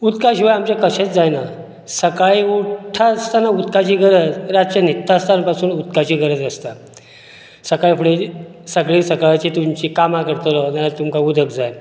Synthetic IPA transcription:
ut̪kaɕiʋajamt͡ɕakəɕet͡sd͡zajna | səkaiuʈʰast̪anaut̪kat͡ɕiːɡəɾəd͡zɾad͡zt͡ɕənit̪ːast̪ʰanpasuːnut̪kat͡ɕiːɡəɾəd͡zəst̪a | səkajfʰəɽe | səɡɭisəkaɭat͡ɕit̪umt͡ɕikamakəɾt̪əlɔnalat̪umkaud̪ʱəkd͡zajn

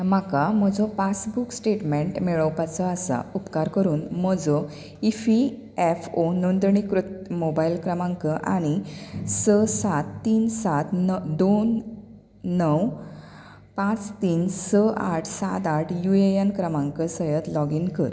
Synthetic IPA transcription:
m̤akam̤əd͡zɔpasbuksʈeʈmeɳʈmɛɭəwpat͡sɔasa̰upkaɾkəɾuːnm̤əd͡zɔ | ifi | ɛfonond̪ɳikɾut̪mobailkɾəmãŋkəʔa̰ɽ̃isəsat̪ːiːnsat̪nd̪onː | əw | pãt͡st̪iːnsəaʈʰsa̰t̪aʈʰjuejankɾəmãŋkəsəjət̪lɔɡiŋkəɾ

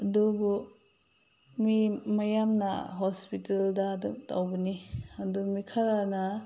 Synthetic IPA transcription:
dubu | mimɐjamna̰ɦospiteldaːdumta̰wbɐniɐdumikʰaɾana

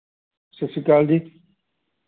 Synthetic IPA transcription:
sesikald̪i

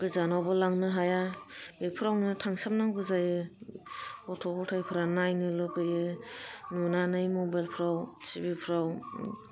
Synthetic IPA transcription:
ɡ̥ɯzanawbɯlaŋnɯɦajabepʰɯɾawnɯtʰaŋsap̚naŋɡɯzajɯ | kɔtʰɔbʰɔtʰajpʰɯɾanajnɯlɯkɯjɯnunanɯjmɔbajlpʰɾawsibipʰɾaw

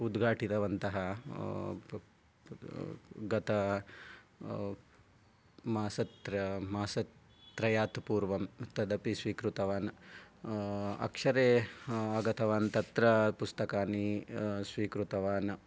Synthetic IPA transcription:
ud̪ɡʱaːʈit̪ɐʋɐnt̪ɐɦɐ | ɡɐt̪ɐ | maːsɐt̪ɾːaːsɐ | t̪ːɾɐjaːt̪puːɾʋɐmt̪ɐd̪ɐpisʋiːkɾut̪ɐʋaːn | ɐ̰kʂɐɾeːɐɡɐt̪ʰɐʋaːnt̪ɐt̪ɾɐpust̪ɐkaːnisʋiːkɾut̪ɐʋaːn

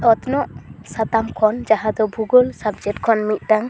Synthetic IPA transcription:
ɔt̪nɔʔsat̪amkʰɔnd͡ʒaɦãd̪ɔbʱuɡɔlsabd͡ʒɛʈ̚kʰɔnmit̪̚ˀɖaŋ

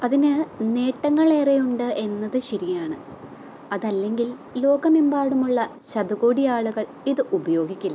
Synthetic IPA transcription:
ɐðinɨne̞ːʈːɐŋːɐɭe̞ːrejuɳɖɨʔe̞nːɐðɨɕɐɾijaːɳɨ | ɐðɐlːe̞ŋɡil | lo̞ːɡɐmimbaːɽumuɭːɐɕɐd̪uɣoːɽijaːɭuɣɐɭ | iðɨʔubɐjo̞ːɡikʲːulːɐ

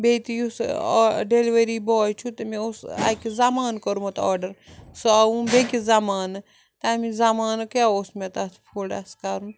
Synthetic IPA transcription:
bet̪ijusɖeliʋeɾibɔːjt͡ʃʰut̪ɐmẽosa̰ːkizamaːnkɐɾumɐt̪ɔːɾɖɐɾsoaʋũbekizamaːnɐ | t̪amizamaːnkjaːosmet̪at̪ʰpʰuɖaskaːɾum

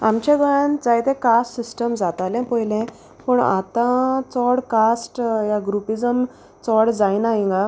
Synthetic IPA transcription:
a̰mt͡ɕẽɡəand͡zajt̪ẽkasʈsisʈəmd͡zat̪alɛ̃pɔjlɛ̃ | pəɳa̰t̪ãt͡sɔɽkasʈjaɡɾupid͡zəm | t͡sɔɽd͡zajnaɦĩŋɡa

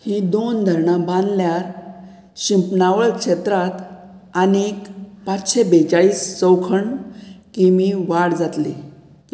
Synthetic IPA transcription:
hid̪ond̪ʱəɾɳabãnd̪ljaɾ | ɕimpnaʋəɭkʂet̪ɾat̪ | anikpat͡sɕebet͡saɭiːst͡səwkʰəɳkimiʋaɽd͡zat̪li

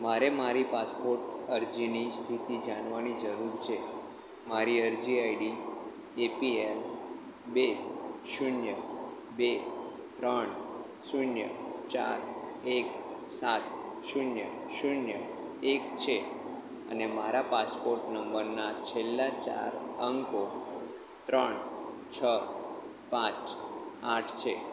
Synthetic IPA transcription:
maɾemaɾipaspoɾʈəɾd͡ʒinist̪ʰit̪id͡ʒaɳʋanid͡ʒəɾuɾt͡ʃʰe | maɾiəɾd͡ʒiaiɽi | epiel | beʃunjə | be | t̪ɾəɳ | sunjə̰t͡ʃa̰ɾek̚ | sat̪̚ | ʃunjə | ʃunjə | ek̚t͡ʃʰe | ə̰nemaɾapaspoɾʈnəmbəɾnat͡ʃʰelːat͡ʃa̰ɾəŋko | t̪ɾəɳt͡ʃʰə | pãt͡ʃaʈʰt͡ʃʰe

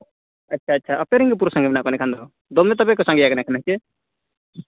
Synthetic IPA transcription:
ɐtːt͡ʃʰaːtːt͡ʃʰaʔɐpɛɾɛŋɡɛp̬uɾɔsãŋɡɛmɛnaʔkɔnɛkʰand̪ɔɔ | d̪ɔmɛt̪̬abɛkɔsãŋɡɛjakanakʰanaɦkɛ

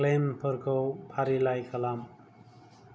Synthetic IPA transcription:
klempʰʌɾkʰopʰaɾilajkʰʌlam

